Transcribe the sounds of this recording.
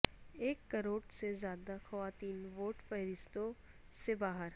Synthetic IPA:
eːkːɐɾoːɖsezjaːd̪axɐʋaːt̪iːnʋoːʈpɐɦɾɪst̪õ | sebaːɦəɾ

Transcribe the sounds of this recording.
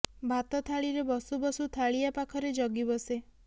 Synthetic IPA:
bʱat̪ɔt̪ʰaɭiɾebɔsubɔsut̪ʰaɭiapakʰɔɾed͡ʒɔɡibɔse

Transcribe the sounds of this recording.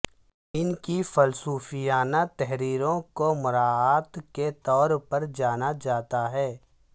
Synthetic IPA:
ɪnkifɐlsuːfijaːnat̪ɛɦɾiːɾõkomʊɾaːaːt̪ket̪ɔːɾpɐɾd͡ʒaːnad͡ʒaːt̪aɦɛː

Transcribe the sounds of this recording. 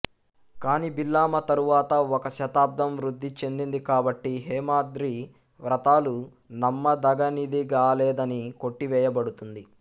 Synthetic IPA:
kaːniːbilːaːmɐt̪ɐɾuʋaːt̪ɐɔkɐʃɐt̪aːp̚d̪ɐmʋɾud̪ʱːit͡ʃe̞nd̪ind̪ikaːbɐʈːiɦɛːmaːd̪ɾi | ʋɾɐt̪aːlu | nɐmːɐd̪ɐɡɐnid̪iɡaːlɛːd̪ɐniko̞ʈːiʋɛːjɐbɐɽut̪und̪i

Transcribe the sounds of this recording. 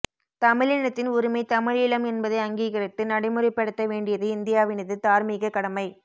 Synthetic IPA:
t̪ɐmɪɻɪɳɐt̪ːɪnʊɾɯmɐɪt̪ɐmɪɻɪɭɐmɛnbɐðɐɪɐŋɡiːɣɪɾɪt̪ːɯnɐɽɐɪmɯrɪpːɛɽɯt̪ːɐʋeːɳɖɪjɐðɯɪnd̪ɪjaːʋɪnɪðɯt̪aːɾmiːɣɐkːɐɽɐmɐɪ

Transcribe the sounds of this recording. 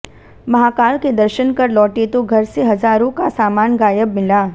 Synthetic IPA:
mɐɦaːkaːɭked̪ɐɾʃənkɐɾlɔːʈet̪oɡʱɐɾseɦɐzaːɾõkasaːmaːnɡaːjəbmɪlaː

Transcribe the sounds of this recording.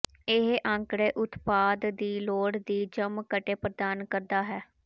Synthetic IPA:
ɪɦʔãːŋkɽeːʔʊt̪paːd̪d̪iːloːɽd̪iːd͡ʒəmkəʈeːpɾəd̪aːnkəɾd̪aːɦɛː

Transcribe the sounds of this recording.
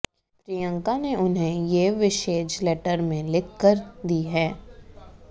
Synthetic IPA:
pɾijə̃ŋkaneʔʊnɦẽjeʋɪʃeːd͡ʒleːʈəɾmẽlɪkːəɾd̪iɦɛː

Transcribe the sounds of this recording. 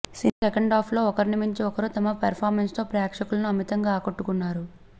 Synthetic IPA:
sinsekɐɳɖaːpʰlo̞ːɔkɐɾinimiɲt͡ʃiɔkɐɾut̪ɐmɐpɐɾpʰaːɾmenst̪o̞ːpɾjaːkʂɐkulɐnuɐmit̪ɐŋɡaːkoʈːukunːaːɾu

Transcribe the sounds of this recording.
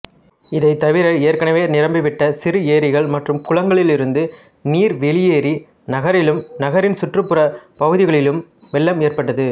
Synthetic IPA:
ɪðɐɪt̪ɐʋɪɾɐeːɾkɐɳɐʋeːnɪɾɐmbɪʋɪʈːɐsɪɾɯeːɾɪɣɐɭmɐʈrɯmkʊɻɐŋɡɐɭɪlɪɾɯnd̪ɯ | niːɾʋɛɭɪjeːɾi | nɐɣɐɾɪlɯmnɐɣɐɾɪnsʊʈrɯpːɯɾɐpɐɣɯðɪɣɐɭɪlɯm | ʋɛlːɐmeːɾpɐʈːɐðɯ

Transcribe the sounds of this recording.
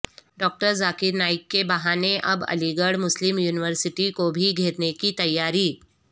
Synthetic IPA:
ɖɔːk̚ʈəɾzaːkɪɾnaːɪkːebɐɦaːneʔɐbɐ̰liɡəɽmʊslɪmjuːnɪʋəɾsɪʈikobʱiɡʱeːɾnekit̪ɐjːaːɾiː

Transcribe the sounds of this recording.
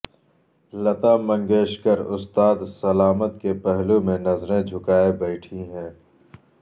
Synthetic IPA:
lɐt̪aːmɐ̃ŋɡeːʃkəɾʊst̪aːd̪sɐlaːmət̪kepɛɦlumẽnɐzɾẽd͡ʒʱʊkaːebɛɪʈʰiɦɛ̃ː

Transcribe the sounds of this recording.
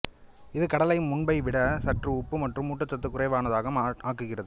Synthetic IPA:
ɪðɯkɐɽɐlɐjɯmːʊɳbɐɪʋɪɽɐsɐʈrɯʊpːɯmɐʈrɯmuːʈːɐt͡ʃːɐt̪ːɯkːʊrɐɪʋaːnɐðaːɣɐmːaːkɯɣɪrɐðɯ

